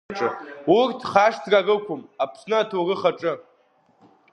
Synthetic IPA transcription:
ʈ͡ʂʼɨurtʰχaʂtʰrarɨkʷʊmapʰsnɨatʰorɨχaʈ͡ʂʼɨ

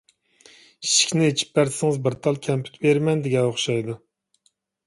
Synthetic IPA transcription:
iʃi̥kʲnɪet͡ʃʰi̥p̚bæɾd̪ɪsɪŋɨzbɨɾt̪ʰɑlˠkʲʰɛmpʰy̥t̪beɾmɛnd̪ɪɡʲɛoχʃɑjd̪u

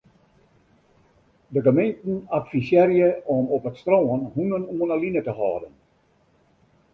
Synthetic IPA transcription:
dəɡəmejntn̩atfisjɛrjəʔɔmɔpətstroːənhunənuənəlinətəhɔːdən

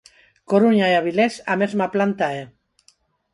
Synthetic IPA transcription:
koɾuɲaeaβ̞ilesa̰mezmaplant̪ae

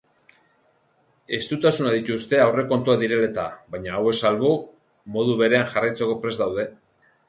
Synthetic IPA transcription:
e̞st̪ut̪asunaðit̪ust̪e̞awre̞ko̞nt̪uaðiɾe̞le̞t̪aβajɲaːwe̞salβu | mo̞ð̞uβe̞ɾe̞anʝarajt͡se̞ko̞pɾe̞zd̪awð̞e̞

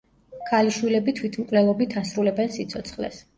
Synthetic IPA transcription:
kʰaliʃwilɛbit̪ʰwit̪ʰmkʼwlɛlˠɔbit̪ʰasɾulɛbɛnsit̪sʰɔt̪sʰχlɛ̰s

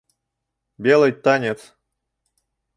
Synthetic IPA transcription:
bʲelˠɨjt̪ːanʲet̪s

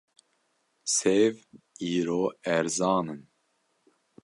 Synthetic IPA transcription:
seːv | iːɾoːɛɾzɑːnɨn

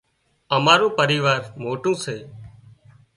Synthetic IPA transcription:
əmaːɾõːpəɾiːʋaːɾmoːʈũːseː

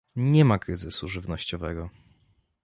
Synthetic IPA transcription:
ɲɛmakɾɘzɘsuʐɘvnɔɕt͡ɕɔvɛɡɔ

